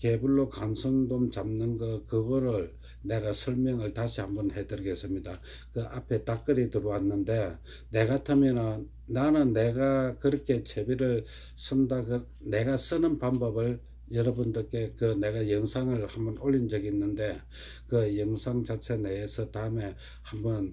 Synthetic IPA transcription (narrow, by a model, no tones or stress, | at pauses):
ke̞buɭːokansʰʌŋdomt͡ɕamnɯnɡʌkɯɡʌɾɯɭ | ne̞ɡasʰʌɭmjʌŋɯɭtaɕʰihambʌnhe̞dɯɾɡes͈ɯmɲida | kɯʔapʰe̞tak͈ɯɾitɯɾowanːɯnde̞ | ne̞ɡatʰamjʌnʌ | nanɯnːe̞ɡakɯɾʌkʰe̞t͡ɕʰebiɾɯɭ | sʰɯndaɡɯ | ne̞ɡas͈ɯnɯnpanbʌbɯɭ | jʌɾʌbundɯk͈e̞kɯne̞ɡajʌŋsʰaŋɯɭhambʌnoʎːind͡ʑʌɡiːnːɯnde̞ | kɯjʌŋsʰaŋt͡ɕat͡ɕʰeneesʰʌtaɯme̞ | hambʌn